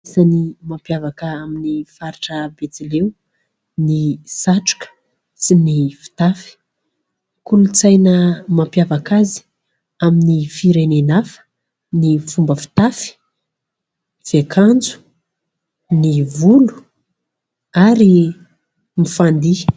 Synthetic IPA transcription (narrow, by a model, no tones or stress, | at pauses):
sanimampjavakəaminifaɾiʈ͡ʂəbet͡silew | nisaʈ͡ʂu̥kə̥ | sinifi̥t̪afi̥ | kulut͡sajnəmampjavakazi̥ | aminifiɾenenafə̥ | nifumbəfi̥t̪afi̥ | v̥ekʰand͡zu̥ | nivulu̥ | aɾi | mifand̪i